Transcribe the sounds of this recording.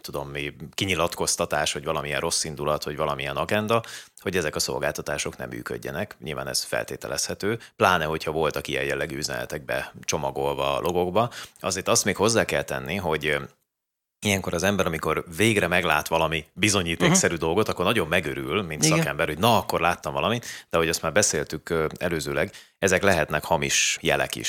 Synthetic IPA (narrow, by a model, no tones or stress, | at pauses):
t̪ud̪o̞mːikiɲilɒt̪ko̞st̪ɒt̪aːʃhɒɟvɒlɒmiɛnro̞sːind̪ulɒt̪hɒɟvɒlɒmijɛnɒɡɛnd̪ɒho̞ɟɛzɛkɒso̞̰lɡaːlt̪ɒt̪aːʃo̞knɛ̰mːy̰ːkø̰ɟːɛ̰nɛkɲʔḭlva̰ːnɛ̰sfɛ̰lt̪eːt̪ɛ̰lʔɛshɛt̪øːplaːnɛɦo̞cʰhɒvo̞lt̪ɒkijɛ̰jɛlːɛɡyːyzɛ̰nɛ̰t̪ɛɡ̚bɛ̰t͡ʃo̞mɒɡo̞lvɒ̰lʔo̞ɡo̞ɡbɒɒzeːrt̪ɒst̪meːkho̞zːaːkɛlt̪ɛ̰nːiɦo̞ɟ | ijɛŋko̞ɾɒzɛmbɛɾɒmiko̞rveːɡrɛmɛɡla̰ːt̪ʋɒlɒmibizo̞ɲiːt̪oːksɛɾyːd̪o̞lɡo̞t̪ɒkːo̞rnɒɟo̞bmɛɡøɾylmint̪ssɒkɛmbɛrho̞ɟnɒɒkːo̞rlaːt̪ːɒɱvɒlɒmit̪d̪̥ɛɦo̞ɟɒst̪maːrbɛseːlt̪ykɛløːzøːlɛɡ | ɛzɛklɛɦɛt̪nɛkhɒmiʃjɛlɛ̰kḭʃ